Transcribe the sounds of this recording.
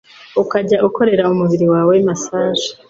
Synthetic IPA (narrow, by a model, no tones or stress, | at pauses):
ukaɟaʔuko̞ɾe̞ɾaumuβiɾiwaːwemasaːʒe̥